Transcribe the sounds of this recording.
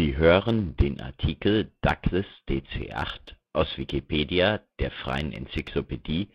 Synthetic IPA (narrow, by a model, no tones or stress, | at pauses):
ziːɦøːʁəndeːnʔa̰ɐtʰikl̩d̥akləsd̥eːt͡sḛːʔa̰χtʔaʊsv̥ikipʰeːdiad̥eːɐfʁ̥a̰ɪənʔɛ̰nt͡sikʰloped̥iː